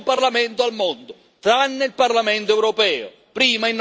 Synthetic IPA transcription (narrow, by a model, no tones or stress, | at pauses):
parlamɛnt̪ʊalmɔnd̪ʊ | t̪ɾanːeilparlamɛnt̪oɛwɾɔpɛːʊ̰ | pɾiːmainː